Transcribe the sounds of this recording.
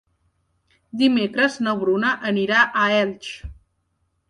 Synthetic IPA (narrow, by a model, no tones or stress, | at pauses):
d̪imekɾəznəβɾunəʔəniɾaʔəɛlt͡ʃ